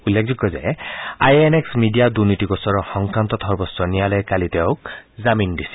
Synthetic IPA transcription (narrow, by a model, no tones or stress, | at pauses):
ulːekʰzɔkːɔzɛ̰ajeneksmidijadunitiɡɔsɔɹɔxɔŋkɹant̪ɔtʰɔɹbɔsːɔnijalɛkalit̪ɛʊkzamindisi̥